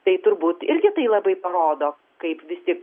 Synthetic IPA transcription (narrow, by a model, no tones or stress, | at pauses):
t̪ɐɪt̪ʊɾbuːt̪ɪɾʲɡʲɪt̪ɐɪlˠɐbɐɪpɐɾoːd̪oː | kɐɪpʋʲɪst̪ʲiɛk